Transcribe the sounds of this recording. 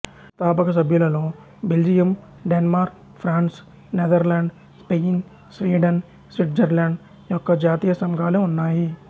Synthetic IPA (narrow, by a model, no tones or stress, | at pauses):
t̪aːpɐkɐsɐbʱjulɐloː | beld͡ʒijɐm | ɖenmaːɾk | pʰɾaːns | ned̪ɐɾlaːɳɖ | speːn | sʋiːɖɐn | sʋiʈ̚d͡ʒɐɾlaːɳɖ | jɔkːɐd͡ʒaːt̪ijɐsɐŋɡʱaːleunːaːji